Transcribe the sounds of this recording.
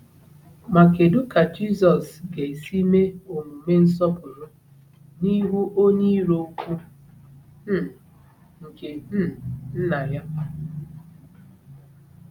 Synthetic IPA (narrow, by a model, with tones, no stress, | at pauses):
ma˨ke˨du˦ka˨d͡ʒi˦sɔ˨sɡe˨e˨si˦me˦o˨ŋu˨me˦n̩˦s̬ɔ˦pʊ˨ɾʊ˦ | ni˦ɦu˦ʔo˦ɲe˦ɾo˦u˦kʷu˦ | ŋ̩˨ke˨m̩˦n̩˦na˨ja˦